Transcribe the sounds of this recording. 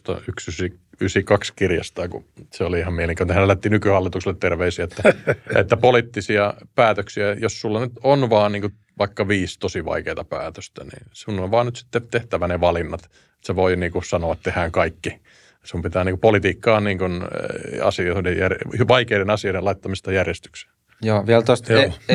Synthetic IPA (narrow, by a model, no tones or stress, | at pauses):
t̪o̰yksysi | ysikɑkskirjɑ̰st̪ɑːkṵseoliihɑmmieleŋkænt̪ehænælæt̪ːinykyhɑlːit̪ukselet̪t̪erʋeisiæet̪ːæḛt̪ːæpolit̪ːisiɑpæːt̪øksiæjossulːɑnyt̪onʋɑːnniːŋku | ʋɑikːɑʋiːst̪osiʋɑ̰ikeːt̪ɑpæ̰ːt̪ø̥st̪æ̰nḭːsunːoʋʋɑːnnyt̪si̥t̪ːet̪eht̪æʋæneʋɑlinːɑt̪ | et̪seʋoiniːŋkusɑnoɑt̪t̪ehæːŋkɑikːi | sumpit̪æːniːŋkupolit̪iːkːɑːnniːŋkunɑ̰sioidejjærʋɑikeiɾenɑsioidelɑit̪ːɑmist̪ɑjærjest̪y̥kse̥ | joːʋiɛlt̪ost̪o